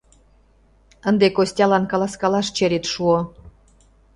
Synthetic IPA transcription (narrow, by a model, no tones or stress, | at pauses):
ə̆nd̪ekosʲtʲɑlɑnkɑlɑskɑlɑʃt͡ɕeɾʲet̪ʃuo